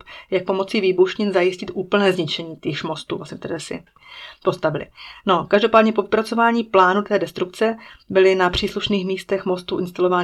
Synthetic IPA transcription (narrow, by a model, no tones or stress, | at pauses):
pjak̚po̞mo̞t͡siːviːbuʃɲɪnzajɪscɪt̪ʔuːpl̩nɛːzɲɪt͡ʃɛɲiːt̪iʃmo̞st̪ṵvlasɲɛft̪ɛdɛːsɪ̰ | po̞st̪avɪlɪ̰no̞kaʒdo̞paːdɲɛpo̞vɪpɾat͡so̞vaːɲiːplaːnut̪ɛːdɛst̪ɾuk̚t͡sɛbɪlɪnapr̝̥iːsluʃniːxmiːst̪ɛxmo̞st̪uʔɪnst̪alo̞vaːn